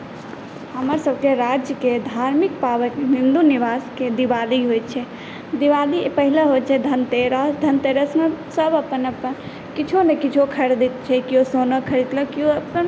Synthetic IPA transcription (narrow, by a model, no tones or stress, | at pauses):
həməɾsəb̚keɾad͡ʒjəked̪ʱaɾmikpaʋəkɦĩnd̪uniʋasked̪iʋaliɦojt̪̚t͡ʃʰɛ | d̪iʋalipəɦileɦot̪t͡ʃʰɛd̪ʱənt̪eɾəd̪ʱənt̪eɾəsmesəbəpənəpən | kit͡ʃʰonekit͡ʃʰokʰəɾd̪it̪t͡ʃʰɛkiosonəkʰəɾit̪ləkioəpːən